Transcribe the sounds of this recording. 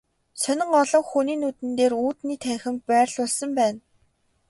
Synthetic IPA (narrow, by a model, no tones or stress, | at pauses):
sœnʲɪ̆ŋɔɮɞ̆ŋxuniːnuːt̪ɘ̆nt̪eːruːt̪niːt̪ʰæːxʲɪ̆mpæːrɮʊɮsɞ̆mpæːn